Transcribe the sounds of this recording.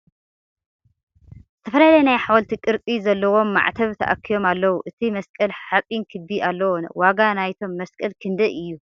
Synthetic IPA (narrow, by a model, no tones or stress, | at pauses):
z̥ɨt̪ʰɐfɐlalɐjnajħawɐlt̪ʰikʼɨɾt͡sʼizɐlːɐwo̞mːa̰ʕt̪ʰɐβt̪ʰɐ̰ʔa̰kʰːijo̞malːɐwuʔɨt̪ʰimɐskʼɐlħat͡sʼinkʰɨd̪ialːɐwonwaɡanajt̪ʰo̞mːɐskʼɐlkʰɨnd̪ɐʔɨjːu